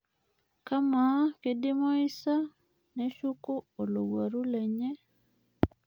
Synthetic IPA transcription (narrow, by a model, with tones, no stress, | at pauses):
ka˦ma˨˦ke˨˦di˦mo˦i˦sa˦ | ne˦ʃu˦ko˦o˨lo˨ɡwa˨ɾu˦le˨ɲe˦